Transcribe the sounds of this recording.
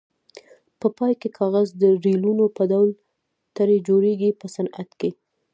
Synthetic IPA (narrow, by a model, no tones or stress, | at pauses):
pəpɑjkekʰɑɣazd̪əɾilunopəd̪awl | t̪aɾed͡ʒoɾeɡipəsana̰t̪ke